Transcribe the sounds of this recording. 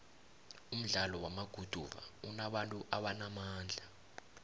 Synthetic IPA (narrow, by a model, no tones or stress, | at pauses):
um̩ɮalɔwamaɡ̥ʱud̥ʱuva̰unaɓantʼuʔaɓanamaːnd͡ɮʱa